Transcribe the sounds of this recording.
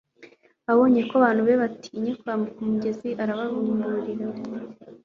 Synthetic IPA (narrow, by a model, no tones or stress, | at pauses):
aβo̞ːɲekoaβaːn̥huβeβatʰi̥ɲekuɾaːmukumuɟe̞ziʔaɾaβaɾuːmbuɾiɾa